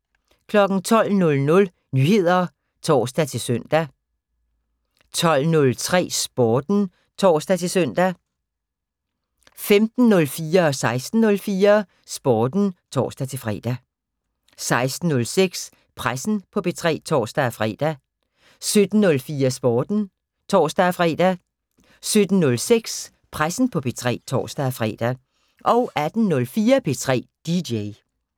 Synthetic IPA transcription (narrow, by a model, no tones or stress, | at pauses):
kʰlɒ̽ɡ̥n̩t͡sʰɒ̽l̰nɔ̽lnɔ̽l | nyːhe̝ð̞̰ˠɐ | t͡sʰɒ̰ːsd̥æt͡sʰe̝lsøn̰d̥æ | t͡sʰɒ̽l̰nɔ̽lt͡sʰʁɛ̰ːsb̥ɒːd̥n̩ | t͡sʰɒ̰ːsd̥æt͡sʰe̝lsøn̰d̥æ | femd̥n̩nɔ̽lfiːɐɒ̽sɑ̈ɪsd̥n̩nːɔ̽lfiːɐ | sb̥ɒːd̥n̩t͡sʰɒ̰ːsd̥æt͡sʰe̝lfʁɛ̰ːd̥æ | sɑ̈ɪsd̥n̩ːɔ̽lseɡ̥s | pʰʁasn̩pʰɒ̽pʰe̝t͡sʰʁɛ̰ːt͡sʰɒ̰ːsd̥æfʁɛ̰ːd̥æ | sød̥n̩ːɔ̽lfiːɐsb̥ɒːd̥n̩ | t͡sʰɒ̰ːsd̥æfʁɛ̰ːd̥æ | sød̥n̩nɔ̽lseɡ̥s | pʰʁasn̩pʰɒ̽pʰe̝t͡sʰʁɛ̰ːt͡sʰɒ̰ːsd̥æfʁɛ̰ːd̥æ | ʔɒ̽ʊʔæd̥n̩nɔ̽lfiːɐpʰe̝t͡sʰʁɛ̰ːd̥ideɪ